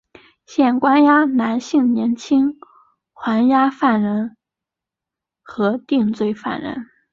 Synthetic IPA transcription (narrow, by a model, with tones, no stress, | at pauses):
ɕjɛ˥˩nkwa˥nja˥na˧˥nɕi˥˩ŋnjɛ˧˥nt͡ɕʰi˥ŋ | xwa˧˥nja˥fa˥˩nɻə˧˥n | xɤ˧˥t̪i˥˧ŋt͡swe˥˧ɪfa̰˥˩nɻə̰˧˥n